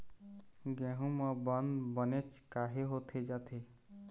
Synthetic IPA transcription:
ɡɛ̃ːɦũmə̃bənd̪bənet͡ʃʰkaːɦeɦot̪ʰed͡ʒat̪ʰe

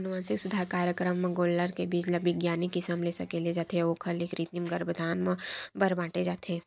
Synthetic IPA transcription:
ɐnʊʋaːsɪksʊd̪ʱaːɾkaːɾjəkɾəm̃ːɡoːlːəɾkebid͡ʒlɐbiɡjaːnikɪsəmleːsɐkeled͡ʒaːt̪ʰeoːkʰəlekɾit̪imɡəɾbəd̪ʱaːnmə̃bɐɾbãːʈed͡ʒaːt̪ʰeː

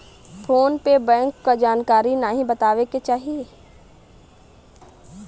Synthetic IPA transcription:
pʰoːnpebɛ̃ːŋkːad͡ʒaːnkaːɾinaɦĩbɐt̪aːʋeket͡ʃaːɦie

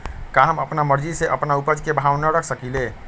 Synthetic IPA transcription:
kaɦəməpnaməɾd͡ʒiseʔəpnaupəd͡ʒkebʱawnəɾəkʰsəkile

